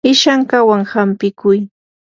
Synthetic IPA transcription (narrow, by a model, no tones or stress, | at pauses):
ɪʃaŋkawaŋhampɪkʊj